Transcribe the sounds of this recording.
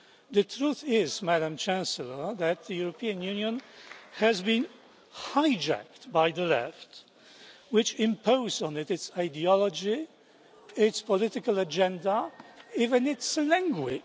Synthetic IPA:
ðɨtʰɹ̥uθɪzmæɾə̃mt͡ʃʰæ̃nsəl̩ˠə˞ðɨt̪̚ðɨjʊɹəpʰiɨ̃njʉ̃njɨ̃nhɨzbĩn | haɪd͡ʒæ̰k̚t̚baɪðəlɛ̰ft | wɪt͡ʃɪ̃mpʰoʊzn̩ɪɾɨtsaɪdiɑlˠəd͡ʒi | ɪtspʰəlɪtɨkəl̩ˠəd͡ʒɛ̃ndəivɨ̃nɪtslæ̃ŋɡwɪ̰

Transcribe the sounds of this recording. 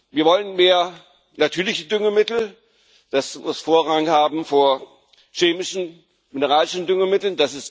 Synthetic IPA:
viːɐvɔlənmeːɐ | natʰyːɐlɪçədʏŋəmɪtl̩ | d̥asmʊsfoːɐʁaŋhaːbm̩foːɐ | ʃeːmɪʃn̩ | mɪnəʁaːlɪʃn̩dʏŋəmɪtl̩nd̥asɪst

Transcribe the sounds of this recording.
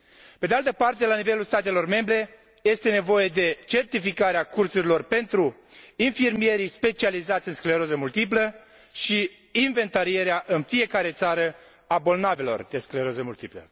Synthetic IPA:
pe̞d̪ealt̪əpart̪e̞lanive̞lulst̪at̪e̞lo̞rme̞mbɾe̞ | je̞st̪e̞ne̞vo̞je̞d̪e̞t͡ʃe̞rt̪ifikaɾeakursuɾilo̞rpe̞nt̪ɾuinfirmije̞ɾispe̞t͡ʃializat̪sʲɨnskleɾo̞zəmult̪ip̬lə | ʃiː | nve̞nt̪aɾie̞ɾeaʔɨnfije̞kaɾe̞t̪saɾə | abo̞lnave̞lo̞̰rd̪̥e̞skleɾo̞zəmult̪iplə̰

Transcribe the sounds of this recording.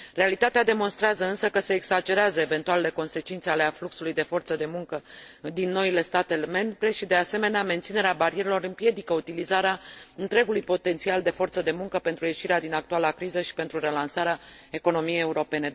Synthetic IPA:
realit̪at̪ead̪e̞mo̞nst̪ɾeazəɨnsəkəse̞ːɡzad͡ʒe̞ɾeazəeve̞nt̪ualele̞ko̞nse̞t͡ʃint̪sealeafluksulujd̪e̞fo̞rt̪səd̪e̞muŋkəd̪inːo̞ile̞st̪at̪eme̞mbɾe̞ʃid̪e̞ase̞me̞neame̞nt̪sine̞ɾeabaɾije̞ɾelo̞ɾɨmpje̞d̪ikəut̪ilizaɾeaɨnt̪ɾe̞ɡulujpo̞t̪e̞nt̪siald̪e̞fo̞rt̪səd̪e̞muŋkəpe̞nt̪ɾuje̞ʃiɾead̪inak̚t̪ualakɾizəʃi̥pe̞nt̪ɾuɾe̞lansaɾeae̞ko̞no̞mijejeuɾo̞pe̞ne̞

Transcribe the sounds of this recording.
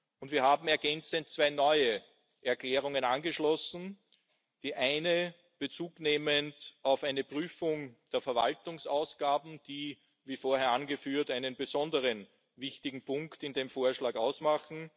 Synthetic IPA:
ʔʊntv̥iːɐhɦaːbm̩ɛɐɡɛnt͡sənt̚t͡sv̥aɪnɔʏə | ʔɛɐkl̥ɛːʁʊŋənanɡəʃlɔsn̩ | d̥iːʔæɪnə | b̥ət͡suːkneːməntaʊfæɪnəpʁyːfʊŋd̥eːɐfɛɐva̰ltʊŋsaʊsɡ̥aːbm̩d̥iː | viːfoːɐheɐanɡəfyːɐtæɪnənbəzɔndəʁən | vɪçtɪɡŋ̩pʰʊ̃ŋktɪndeːmfoːɐʃlaːkaʊsmaχn̩

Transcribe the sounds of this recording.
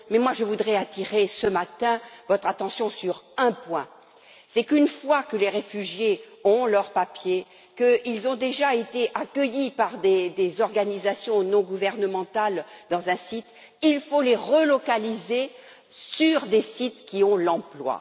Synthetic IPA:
mɛmwaʒəvud̪ʁɛat̪iʁesəmat̪ɛ̃vɔt̪χat̪ɑ̃sjɔ̃syʁɛ̃pwɛ̃ | sɛkynfwakəleʁefyʒje | ɔ̃lœʁpapje | kəilzɔ̃d̪eʒaet̪eʔakəjipaʁd̪ed̪ezɔʁɡanizasjɔ̃nɔ̃ɡuvɛʁnəmɑ̃t̪ald̪ɑ̃zɛ̃sit̪ | ilfoleʁəlɔkalize | syʁd̪esit̪kʲiɔ̃lɑ̃plwa̰

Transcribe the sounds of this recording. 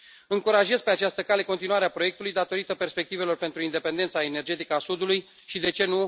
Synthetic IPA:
ɨŋkuɾaʒe̞zpe̞at͡ʃast̪əkale̞ko̞nt̪inuaɾeapɾoe̞k̚t̪ulujd̪at̪o̞ɾit̪əpe̞rspe̞k̚t̪ive̞lo̞rpent̪ɾuind̪e̞pe̞nd̪e̞nt̪saene̞rd͡ʒe̞t̪ikəasud̪uluj | ʃid̪e̞t͡ʃe̞nu

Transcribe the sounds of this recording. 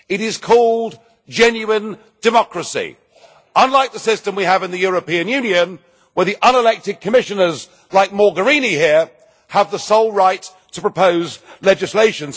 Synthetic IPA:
ɨɾɪz̥kʰɔlˠd | d͡ʒɛ̃njʉɪ̃n | d̥ɨmɑkɹɨsḭ | ə̃nlaɪk̚ðəsɪstɨ̃mwiəvɨ̃nðɨjʊɹɨpĩɨ̃njʉ̃njɨ̃n | wə˞ðiʔʌ̃nəlɛk̚tɨd̚kʰɨmɪʃɨ̃nə˞z | laɪk̚mɔɹɡə˞ĩnihiɹ | əvðəsoʊlˠɹaɪtʰəpɹ̥əpʰoʊzlɛd͡ʒɨsleɪʃɨ̃nz̥

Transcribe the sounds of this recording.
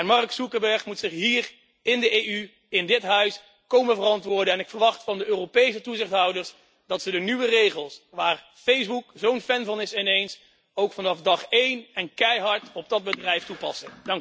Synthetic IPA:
ɛnmɑrksukəbɛɹχmutsɪχɦiːr | ɪndəʔejy | ɪndɪtɦœɥs | kowməvərɑntʋʊːɹdəɛnɪkfərʋɑχtfɑndəʔøːropejs̬ətuzɪχtɦɑwdəɹs | dɑtsədənyʋərejχəlˠsʋaːr | fejzbukzownfɛnvɑnɪsɪnejns | owkfɑnɑfdɑχejnɛnkɛjɦɑɹtɔb̚dɑd̚bədrɛjftupɑsədɑŋk

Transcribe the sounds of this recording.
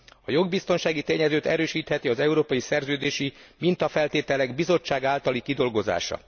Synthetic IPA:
ɒjo̞ɡbist̪onʃaːɡit̪eːɲɛzøːt̪ɛɾøːʃiːt̪hɛt̪iɒzɛuɾoːpɒjisɛrzøːd̪eːʃimint̪ɒfɛlt̪eːt̪ɛlɛɡbizo̞t͡ʃːaːɡaːlt̪ɒlikid̪o̞lɡo̞za̰ːʃɒ̰

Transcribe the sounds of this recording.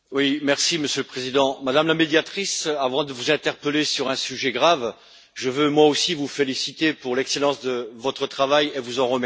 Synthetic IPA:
wimɛʁsiməsjøləpχezid̪ɑ̃mad̪amlamed̪jat̪χisavɑ̃d̪əvuzɛ̃t̪ɛʁpəlesyʁɛ̃syʒɛɡʁav | ʒəvømwaosivufelisit̪epuʁlɛkselɑ̃sd̪əvɔt̪χət̪χavajevuzɑ̃ʁəmɛ

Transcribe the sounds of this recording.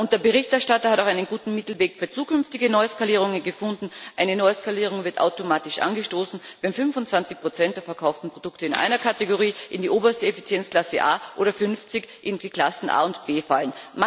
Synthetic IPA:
ʔʊnt̚d̥eɐbəʁɪçtɛɐʃtatɐhataʊxaɛɪnənɡuːtn̩mɪtl̩veːkfyːɐt͡suːkʏnftɪɡənɔʏskaliːʁ̞ʊŋənɡəfʊndn̩ʔaɪnənɔʏəskaliːʁ̞ʊŋvɪɐta̰ʊtomaːtɪʃʔa̰nɡəʃtoːsn̩vɛnfʏnvʊntt͡sv̥ant͡sɪçpʁ̥ot͡sɛnt̚d̥eːɐfɛɐkʰaʊftn̩pʁ̥od̥ʊktəɪnʔa̰ɪnɐkʰateɡoʁiːʔɪndiːʔoːbɐstəefit͡sjɛnt͡skl̥asəʔa̰ːʔoːɾɐfʏnft͡sɪçʔɪndikl̥asn̩ʔa̰ːʊntb̥eːfalənma

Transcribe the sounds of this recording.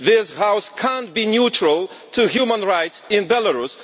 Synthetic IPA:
ðɪshaʊskʰãntbinjut͡ʃɹəlˠ | tʰuhjumə̃nɹaɪtsɪ̃nbɛləɹus

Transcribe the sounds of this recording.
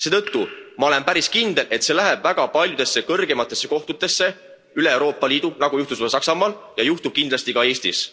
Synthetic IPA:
se̞ːt̪ɤt̪ːumɑo̞le̞mpæɾiskind̪e̞lʔe̞t̪se̞læɦeb̥væɡ̥ɑpɑlʲjud̪e̞sːekɤrɡe̞mɑt̪ːˑe̞sːe̞ko̞ht̪ut̪ːˑe̞sːe̞ | yleewɾo̞ːpːˑɑliːd̪̥unɑɡ̥ujuht̪usɑsɑksɑmɑːljɑjuht̪ub̥̚kind̪lɑst̪ikɑe̞ːst̪ḭs

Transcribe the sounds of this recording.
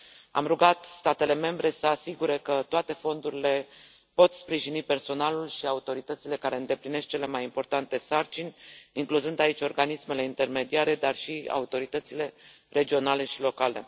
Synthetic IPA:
a̰mruɡat̪st̪at̪e̞le̞me̞mbɾe̞səasiɡuɾekət̪oat̪e̞fo̞nd̪uɾile̞ | po̞t̪spɾiʒinipe̞rso̞nalulʃiaut̪o̞ɾit̪ət̪sile̞kaɾe̞ɨnd̪e̞plinesk̚t͡ʃe̞le̞majimpo̞rt̪ant̪e̞sart͡ʃinʲiŋkluzɨnd̪ait͡ʃʲo̞rɡanisme̞le̞int̪e̞rme̞d̪iaɾe̞d̪arʃia̰ut̪o̞ɾit̪ət̪sile̞ | re̞d͡ʒio̞nale̞ʃilo̞kale̞̰

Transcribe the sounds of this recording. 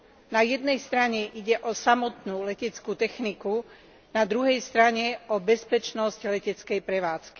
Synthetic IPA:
najɛd̪̚nɛjst̪ɾaɲɛʔiɟɛʔɔsamɔt̪nulɛcɛt͡skuːt̪ɛxniku | nad̪ɾuɦɛjst̪ɾaɲɛɔbɛspɛt͡ʃnɔsclɛcɛt͡skɛjpɾɛʋaːt͡ski̥

